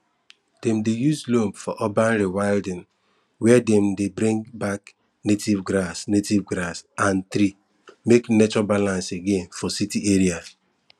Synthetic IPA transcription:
d̥ɛmdejuzlomfɔʔɔbanɾiwaɪldɪ̃n | wɛdɛm̩debɾĩŋɡbak | netivɡɾasnetivɡɾasãnt̪ɾi | meknet͡ʃɔbalãnseɡẽnfɔsitiʔeɾia

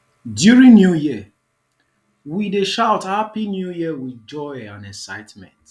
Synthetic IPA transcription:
djuɹĩŋnjujiə | wideʃaʊthapinjujiəwid͡ʒɔɪãnɛ̃sa̰ɪtmɛ̰̃nt

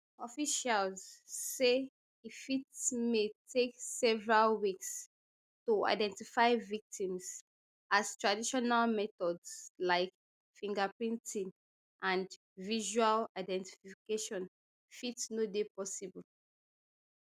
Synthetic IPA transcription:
ɔfiʃalzse | ifitmetʰeksɛvəɹalwiks | tua̰ɪdɛ̃ntifaɪvik̚tĩmz | az̥tɹadiʃɔnalmɛtɔdzlaɪk | fĩŋɡəpɹĩntĩn | ʔãnd | viʒualaɪdɛ̃nti̥fiikeʃɔ̃n | fitnodepɔsibəl

